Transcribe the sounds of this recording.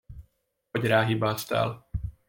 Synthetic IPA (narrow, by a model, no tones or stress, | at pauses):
oɟɾaːɦibaːst̪a̰ːl